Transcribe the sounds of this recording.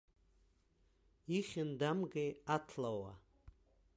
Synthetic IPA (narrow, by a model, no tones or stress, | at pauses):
iχʲɪndamɡeatʰlawa̰